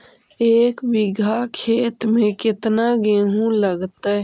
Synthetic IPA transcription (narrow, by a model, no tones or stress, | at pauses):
eːkbɪɡʱakʰeːt̪mẽkɪt̪naɡeːɦũləɡt̪a